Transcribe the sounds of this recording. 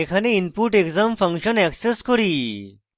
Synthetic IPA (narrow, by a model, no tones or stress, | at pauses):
ekʰaneinpuʈekzamfə̃ŋkɕənɛkseskɔɾi